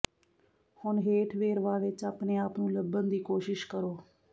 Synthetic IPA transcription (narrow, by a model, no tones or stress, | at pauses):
hʊnɦeːʈʰʋeːɾʋaːʋɪt͡ʃaːpneːaːpnũːləbːənd̪iːkoːʃɪʃkəɾoː